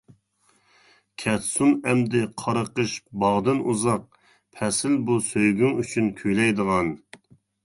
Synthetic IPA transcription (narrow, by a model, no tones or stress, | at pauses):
kʲʰɛt̪sunɛmd̪ɪqʰɑɾəqəʃbɑʁd̪ɨnuzɑq̚ | pʰɛsɪlbusøjɡʲyŋyt͡ʃʰynkʲʰyjlɛjd̪əʁɑn